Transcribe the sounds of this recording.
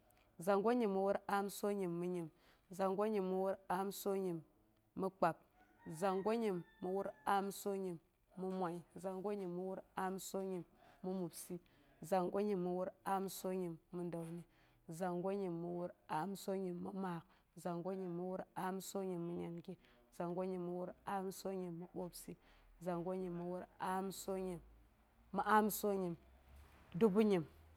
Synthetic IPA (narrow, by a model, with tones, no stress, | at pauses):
za˨ŋɡo˦ɲi˨mːu˨wu˦ɾa˦mso˦ɲi˨mːu˦ɲi˨m | za˨ŋɡo˦ɲi˨mːu˨wu˦ɾa˦mso˦ɲi˨mː | u˦k͡pa˨p̚ | za˨ŋɡo˦ɲi˨mːu˨wu˦ɾa˦mso˦ɲi˨mː | u˦mʷa˨i˦za˨ŋɡo˦ɲi˨mːu˦wu˦ɾa˦mso˦ɲi˨mːu˦mu˨bsi˦ | za˨ŋɡo˦ɲi˨mːu˨wu˦ɾa˦mso˦ɲi˨mːu˦nda˨wni˦ | za˨ŋɡo˦ɲi˨mːu˨wu˦ɾa˦mso˦ɲi˨mːu˦ma˨k | za˨ŋɡo˦ɲi˨mːu˦wu˦ɾa˦mso˦ɲi˨mːu˦ɲa˨nɡi˦ | za˨ŋɡo˦ɲi˨mːu˦wu˦ɾa˦mso˦ɲi˨mːu˦ɓo˦bsi˦za˨ŋɡo˦ɲi˨mːu˨wu˦ɾa˦mso˦ɲi˨mː | u˦ʔa˦mso˦ɲi˨m | du˦bu˦ɲi˨m